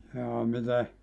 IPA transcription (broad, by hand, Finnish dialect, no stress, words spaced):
jɑː mite